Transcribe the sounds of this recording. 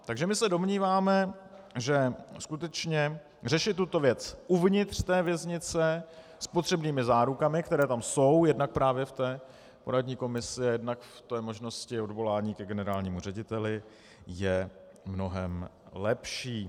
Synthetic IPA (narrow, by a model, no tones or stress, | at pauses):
t̪aɡʒɛmɪsɛdo̞mɲiːvaːmɛ | ʒɛskut̪ɛt͡ʃɲɛ | r̝ɛʃɪt̪ːut̪o̞vjɛt͡sʔuvɲɪt̪r̥t̪ɛːvjɛzɲɪt͡sɛ | spo̞t̪r̝̥ɛbniːmɪzaːɾukamɪkt̪ɛɾɛːt̪amso̞wjɛdnak̚pɾaːvjɛft̪ɛː | po̞̰ɾadɲiːko̞mɪsɪajɛdnakft̪ɛːmo̞ʒno̞scɪo̞dvo̞laːɲiːkɛɡɛnɛɾaːlɲiːmur̝ɛɟɪt̪ɛlɪ | jɛː | no̞ɦɛmlɛpʃiː